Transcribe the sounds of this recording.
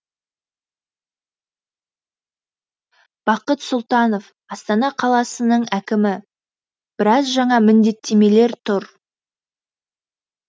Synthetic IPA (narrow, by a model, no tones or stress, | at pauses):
b̥ɑqət̪sʊlˠt̪ɑno̞f | ɑst̪ɑnɑqʰɑlˠɑsənəɴækʲɪmɪ | b̥ɪɾɑzʒɑɴɑmɪnd̪e̞t̪ʰːe̞me̞le̞ɾt̪ʰʊɾ